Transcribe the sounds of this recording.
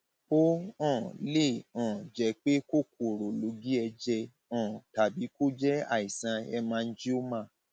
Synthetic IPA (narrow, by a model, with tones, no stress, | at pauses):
o˦ɔ̃˦˨le˦˨ɔ̃˨d͡ʒɛ˨˧˦k͡pe˦ko˦˨ko˨ɾo˨lo˨˦ɡi˦ɛ˧d͡ʒɛ˧ | ɔ̃˨ta˨bi˨˦ko˦d͡ʒɛ˦a̰˦˨i˨sã˧ɛ˧mãː˦˧n̩˦d͡ʒi˦o˦mã˦˨